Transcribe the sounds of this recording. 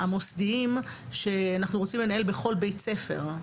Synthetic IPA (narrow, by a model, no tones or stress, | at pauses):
amo̞sdiim | ʃe̞anaχnuʁo̞t͡simle̞nae̞lbe̞χo̞lbejt͡sefe̞̰ʁ